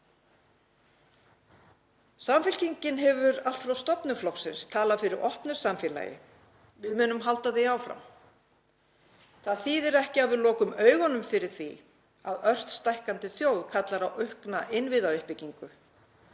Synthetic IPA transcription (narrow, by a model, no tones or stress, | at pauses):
samfɪl̥cʰiɲcɪnɦɛvʏɾalt̪fɾawst̪ɔpnʏflɔwksɪnst̪ʰaːlafɪɾɪɾʔɔhpnʏɾ̥samfɪla̰ːjɪ̰ | vɪðmʏːnʏmɦalt̪aθejaːwfɾa̰m | θaðθiːðɛɾɛhcɪaðvɪðlɔːkʏmœːɥɣɔnʏmfɪɾɪɾ̥θvi | aðœr̥t̪st̪ajhkant̪ɪθjoːwðkʰat̪laɾawʔœhknaʔɪnvɪðaœhpɪciŋkʏ